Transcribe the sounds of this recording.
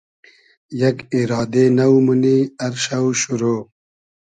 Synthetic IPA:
jɐkiɾɑːd̪enɐwmuniɐɾɕɐwɕuɾoː

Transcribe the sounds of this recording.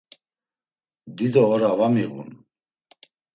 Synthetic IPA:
d̪id̪ɔːɾavamiɣṵn

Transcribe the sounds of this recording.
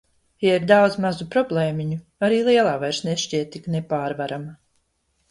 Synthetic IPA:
jaiɾd̪awd̪zmazupɾɔblˠeːmʲiɲu | aɾiːlˠiɛlˠaːvajɾsneʃt͡ʃiɛt̪ːiknepaːɾvaɾama

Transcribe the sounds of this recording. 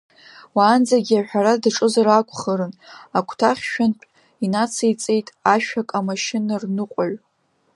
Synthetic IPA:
waːnd͡zaɡʲiaħʷᶣaɾadʈ͡ʂʼɨzaɾakʷʰʼχəɾɨnakʷʰtʰaχʲʃᶣantʼ | inat͡sʰajt͡sʼe̞jtʼaʃᶣakʼamaʃɪnarnɨqʷʼaɥ

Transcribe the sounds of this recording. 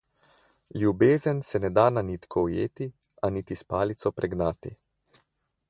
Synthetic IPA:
lʲjubeːzənsɛnɛd̪ananit̪kʰɔwjeːt̪i | anit̪ispaːlit̪sɔpɾɛɡnaːt̪i

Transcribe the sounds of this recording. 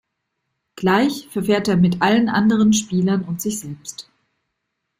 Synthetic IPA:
ɡ̥laɪçfɛɐfeːɐteːɐmɪtʔalənʔa̰ndəʁ̞ənʃpiːlɐnʊntz̥ɪçz̥ɛlpst

